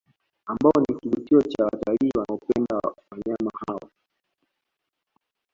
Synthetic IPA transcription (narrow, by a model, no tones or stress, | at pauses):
ambaɔnikivutiɔt͡ʃawa̰taliːwanaɔpɛndawaɲamahawɔ̰